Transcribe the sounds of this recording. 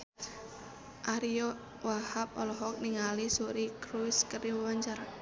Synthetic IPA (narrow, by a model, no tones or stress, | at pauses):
ʔaɾiɔ | wahap̚ɔlɔɦɔk̚niŋalisuɾikɾuskəriwwaɲt͡ʃara